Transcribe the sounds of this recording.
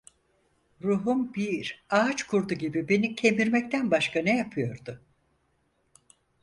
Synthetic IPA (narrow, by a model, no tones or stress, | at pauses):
ɾuɦumbiɾaːt͡ʃkʰuɾd̪uɟibibe̞nicʰe̞miɾmɛc̚t̪ʰænbaʃkʰanɛjapʰɯjo̞ɾd̪ʊ